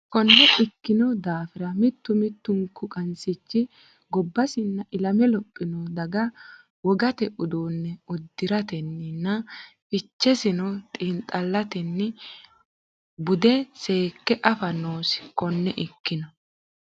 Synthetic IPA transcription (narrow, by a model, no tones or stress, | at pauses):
kɔnːɛɪkːɪnɔd̪aːfɪɾɐmɪt̪ːʊmɪt̪ːʊŋkːʊkʼɐnsɪt͡ʃːɪ | ɡɔbːɐsɪnːɐʔɪlɐmɛlɔpʼːɪnɔd̪ɐɡɐ | wɔɡɐt̪ɛʔʊd̪oːnːɛɔd̪ːɪɾɐt̪ɛnːɪnːɐfɪt͡ʃːɛsɪnɔt̪ʼiːnt̪ʼɐlːɐt̪ɛnːɪ | bʊd̪ɛse̞ːkːɛʔɐfɐnoːsɪ̥kɔnːɛʔɪkːɪnɔ